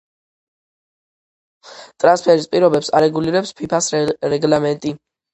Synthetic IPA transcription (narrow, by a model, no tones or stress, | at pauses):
t̪ʼɾanspʰɛɾispʼiɾɔbɛpsaɾɛɡuliɾɛpspʰipʰasɾɛɡlamɛnt̪ʼi